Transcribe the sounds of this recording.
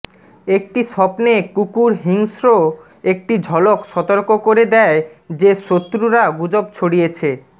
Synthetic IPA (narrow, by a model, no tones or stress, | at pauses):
ek̚ʈiʃɔpnekukuɾɦiŋsɾo | ek̚ʈid͡ʑʱɔlokʃɔt̪oɾkokoɾed̪ɛed͡ʑeʃot̪ːɾuɾaɡud͡ʑob̚t͡ɕʰoɽijet͡ɕʰe